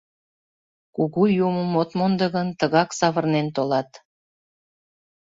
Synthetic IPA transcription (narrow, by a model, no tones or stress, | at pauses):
kuɣujuməmot̪mond̪əɣənt̪əɣɑksɑβərnent̪olɑt̪